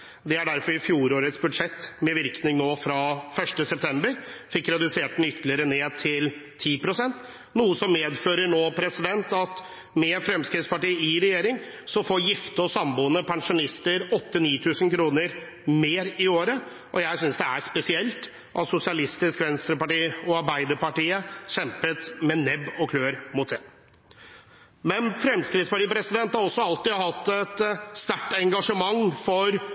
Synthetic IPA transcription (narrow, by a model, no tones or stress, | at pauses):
d̪ɛæɖæɾfɔɾɪfjuːɾoːɾət̪sbʉd̪ʂɛt̪ːmɛʋɪɾknɪŋnoːfɾɑfœʂʈəsɛp̚t̪ʰɛmbəɾfɪkːɾɛd̪ʉseːʈ̪̚ɛnʏt̪ʰːəlɪəɾəneːd̪̚t̪ʰɪlt̪ʰiːpɾʊsɛnt̪ | nuːəsɔmːeːd̪føːɾəɳoːpʰɾɛsɪd̪ɛnt̪ɑt̪ | mɛfɾɛmskɾɪt̪spɑʈiːəɪɾɛjeːɾɪŋ | sɔfoːɾjɪft̪əɔsɑmbuːnəpʰɑŋʂʊnɪst̪əɾɔt̪ːəniːt̪ʰʉːsənkʰɾuːnəɾ | meːɾɪoːɾə | ʔɔjæɪsʏnsd̪ɛæɾspɛsɪɛlt̪ | ʔɑt̪sʊsɪɑlɪst̪ɪskʋɛnst̪ɾəpɑʈiːɔɑɾbæɪd̪əɾpɑʈiːəɕɛmpət̪mɛnɛbɔkʰløːɾmʊt̪ɛ | mɛnfɾɛmskɾɪːt̪spɑʈiːpʰɾɛsɪd̪ɛnt̪hɑɾɔsːɔɑlt̪ɪhɑt̪ːɛt̪ːst̪æʈːɛŋɡɑʂəmɑŋːfɔɾ